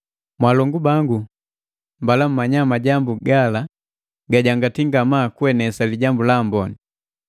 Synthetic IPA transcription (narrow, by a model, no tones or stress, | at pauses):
mwalɔŋɡubaŋɡu | mbalam̩maɲamaɟambuɡala | ɡaɟaŋɡatiŋɡamakuɛnɛsaliɟambulambɔni